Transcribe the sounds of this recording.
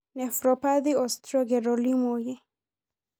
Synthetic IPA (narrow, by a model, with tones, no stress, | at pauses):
nɛ˨fɾɔpa˦ði˦ɔst̪ɾɔ˦ɡɛ˨ɾɔli˦mojɛ˦